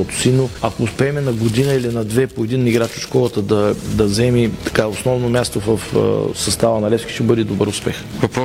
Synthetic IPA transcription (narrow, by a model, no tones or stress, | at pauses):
ɔt̪ʊ̥sinoɐkoːspɛːmɛnɐɡod̪inəilinɐd̪vɛpoɛd̪iniɡɾat͡ʃo̥ʃkɔlˠət̪əd̪ɐd̪ɐzɛmit̪ɐ̥kaosnɔvnomʲjast̪ovəfsɐst̪avənɐlɛskʲi̥ʃt̪ɛbɤd̪ɛd̪obəɾʊspɛxvɐpɾɔ